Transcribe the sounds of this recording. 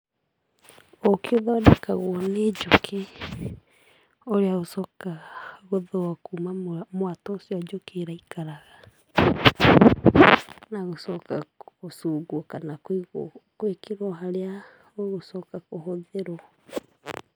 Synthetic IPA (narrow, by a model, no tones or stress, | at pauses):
okeoðadɛkaɣwɔned͡ʒokʰe | oɾeaosɔkaɣoðoakumamwatɔosiɔd͡ʒokeːɾaikaɾaɣa | naɣosɔkakosuɡwɔkanakkwekeɾwɔɦaɾea | oɣosɔkakoɦoðeɾɔ